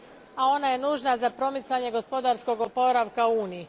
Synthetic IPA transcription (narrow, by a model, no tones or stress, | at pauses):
ao̞naje̞nuːʒnazapɾo̞mit̪saɲe̞ɡo̞spo̞d̪aɾsko̞ɡopo̞ɾaʋkauːniji